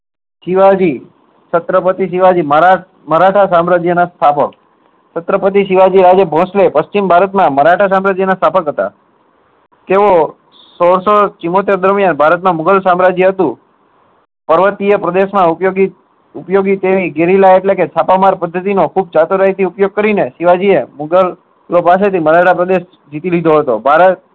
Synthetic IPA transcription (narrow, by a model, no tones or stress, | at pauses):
ʃiʋad͡ʒi | t͡ʃət̪ɾəpət̪iʃiʋad͡ʒimə | məɾaʈʰasamɾad͡ʒjənast̪ʰapək | t͡ʃət̪ɾəpət̪̬iʃiʋad͡ʒiɾad͡ʒebʱɔ̃slepəst͡ʃimbʱaɾət̪mãməɾaʈʰas̬ãmɾad͡ʒjənast̪ʰapəkɦət̪a̰ | t̪eʋo | soɽsot͡ʃimot̪̬eɾd̪əɾmijanbʱaɾət̪mãmʊɡəlsamɾad͡ʒiɦət̪ũ | pəɾʋət̪iepɾəd̪eʃmãupjoɡi | ʊpjoɡit̪eʋiɡeɾilaeʈleket͡ʃʰapamaɾpəd̪ʱːət̪̬inokʰub̚t͡ʃat̪uɾaɦit̪ʰiupjoɡ̚kəɾineʃiʋad͡ʒiemʊɡəlː | opas̬et̪ʰiməɾaʈʰapɾəd̪eʃ | d͡ʒit̪ilid̪ʱoɦət̪obʱaɾət̪̚